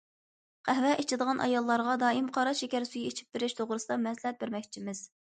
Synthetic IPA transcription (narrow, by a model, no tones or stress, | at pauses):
qʰæɦvɛʔet͡ʃʰɪd̪əʁɑnʔɑ̰jɑlˠːɑɾʁɑd̪ɑːimqʰɑɾɑʃekʲæɾsujiet͡ʃʰi̥p̚t̪uɾɪʃt̪ʰoʁɾɨsɨd̪ɑmɛslɛt̪̚bɪɾmɛkʲt͡ʃʰimɪz̥